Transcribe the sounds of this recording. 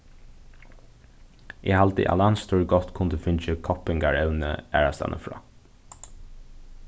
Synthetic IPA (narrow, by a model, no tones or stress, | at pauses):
ʔɛhalt̪ə̰ʔa̰lɑnst̪ʰuɹɡɔt̪kʰʊnd̪əfʏnt͡ʃəkʰɔpɪŋɡɑɹɛʋnə̰æːɹast̪ɑ̰nʔə̰fɹɑ̰ː